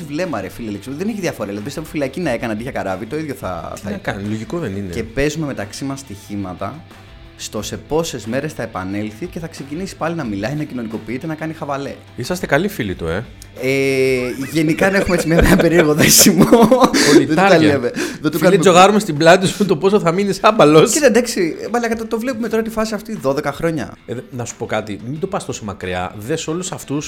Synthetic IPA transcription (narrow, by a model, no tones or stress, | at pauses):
ivle̞mɐɾefilieleksðeneçiðiɐfo̞ɾɐelɐðipiseofilɐcinɐe̞kɐneɐnd̪içɐkɐɾɐvit̪o̞iðʝoθɐ̰θɐkɐnloʝikoðeninḛce̞pe̞zume̞me̞t̪ɐksimɐst̪içimɐt̪ɐ | st̪ose̞po̞se̞zme̞ɾe̞sθɐe̞pɐne̞lθice̞θɐkse̞cinisi̥pɐlinɐmilɐinɐcino̞niko̞piit̪e̞nɐkɐnixɐvɐle̞ | isɐst̪ekɐlifilit̪ue̞ | eʝe̞nikɐne̞xumet͡simɲɐpeɐpe̞ɾieɾɣoðesimooiet̪ɐɾɐleveðot̪uɐlid͡zo̞ɣɐɾumest̪iblɐt̪it̪isut̪opo̞soθɐminisɐbɐlo̞set̪ed̪ɐksivɐlɐkɐt̪ɐt̪o̞vle̞pume̞t̪o̞ɾɐt̪ifɐsiɐft̪iðo̞ðe̞kɐxɾo̞ɲɐ̰nɐsu̥po̞kɐt̪imind̪opɐst̪o̞somɐkɾiɐ̰ðe̞so̞lusɐft̪us